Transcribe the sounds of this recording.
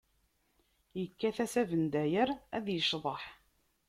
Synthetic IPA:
jəkːæθæsævənd̪æjəɾæ̰ðjəʃðˤəħ

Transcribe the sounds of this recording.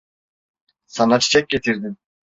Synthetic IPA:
sanat͡ʃʰi̥t͡ʃʰɛk̚ʲɟet̪ʰiɾd̪in

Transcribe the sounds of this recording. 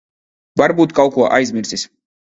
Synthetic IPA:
baɾbut̪ʼkʼalˠkʰua̰ʔajzmiɾsʼis

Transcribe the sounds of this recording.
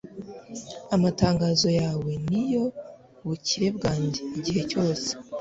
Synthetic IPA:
amataːŋɡaːzo̞jaːwe̞nijo̞ | βuciɾe̞b̚ɡaːɲɟeiɟihe̞co̞ːse̥

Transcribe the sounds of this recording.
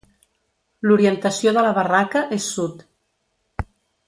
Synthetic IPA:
luɾiənt̪əsijoðələβərakəʔesːut̪

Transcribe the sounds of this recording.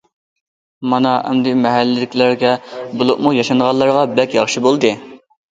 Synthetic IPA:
mɑnɑʔɛ̰md̪ɪmɛɦælːɪlɪkʲlæɾɡʲɛbulˠʊqmujɑʃɑnʁɑlˠːɑɾʁɑbɛkʲjɑχʃibolˠd̪ɨ

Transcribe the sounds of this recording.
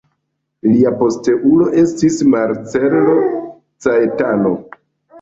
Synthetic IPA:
liapo̞ste̞ʔulo̞ʔe̞stismaɾt͡selo̞ | t͡saetano̞

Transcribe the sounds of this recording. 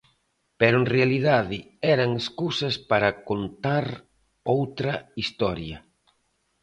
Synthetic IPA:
peɾʊenrealiðaðɪ | ɛɾaŋeskusɐspaɾɐkont̪aɾ | owt̪ɾɐist̪ɔɾjɐ

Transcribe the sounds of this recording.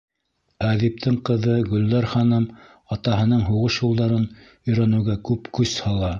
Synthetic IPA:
æðip̚t̪ʰɘɴqɤ̆ðɤɡɵ̆ld̪æɾχɑnɤm | ɑt̪ɑɦɤ̆nɤɴɦuʁɤʃjulˠd̪ɑɾɤn | ɵ̆jɾænɘ̆wɡækʉpkʉshɑlˠɑ

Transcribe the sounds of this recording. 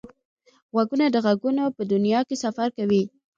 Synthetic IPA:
ɣwaɡunad̪əɣaɡunopəd̪ʊnijɑkesafaɾkawi

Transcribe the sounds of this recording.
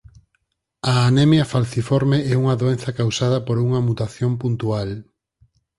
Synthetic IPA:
ɐːnemjɐfalθifoɾmeɛuŋɐðoenθɐkawsað̞ɐpoɾuŋɐmut̪aθjompunt̪ual

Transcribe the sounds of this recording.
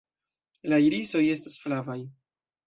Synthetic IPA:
laiɾiso̞je̞stasflavaj

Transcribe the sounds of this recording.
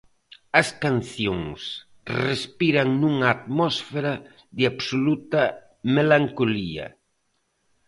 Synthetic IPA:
ɐskanθjoŋs | respiɾaŋnuŋaːt̪mɔsfeɾa | ðɪaβsolut̪ɐ | melaŋkoliɐ̰

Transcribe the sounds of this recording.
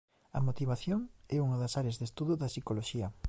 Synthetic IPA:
ɐ̰mot̪iβaθjoŋɛuŋɐðɐsaɾjazðest̪uðʊðɐsikoloʃiɐ

